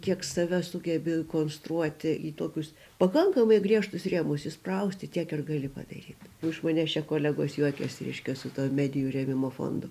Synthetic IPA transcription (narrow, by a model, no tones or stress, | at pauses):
kʲiɛksɐʋʲɛsʊɡʲɛbʲɪkoːnst̪ɾuɔt̪ʲɪiːt̪uɔkʲʊs | pɐkɐŋkɐmɐɪɡrʲiɛʃt̪ʊsrʲiːmʊsɪsprɐʊsʲt̪ʲɪt̪ʲiɛkɪrɡɐlʲɪpɐ̰d̪ɐ̰ɾʲiːt̪ʊʃmɐnʲɛt͡ʃʲɛkoːlʲæɡoːsjuɔkʲɛsɾʲɛ̰ɪʃʲkʲɛsʊt̪uɔmʲæːd̪ʲɪjurʲɛmʲɪmoːfo̰ːnd̪ʊ